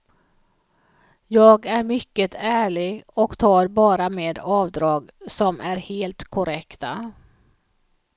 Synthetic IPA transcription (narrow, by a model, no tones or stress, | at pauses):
jɑːɡæɾmʏkːət̪ʰæːɭɪɡɔkt̪ʰɑːɾbɑːɾameːd̪ɑːvd̪ɾɑːɡsɔmʔæɾheːlt̪kʰʊɾɛkt̪a